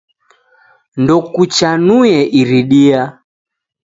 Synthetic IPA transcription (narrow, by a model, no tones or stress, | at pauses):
ndɔkut͡ʃanujɛʔiɾiɗia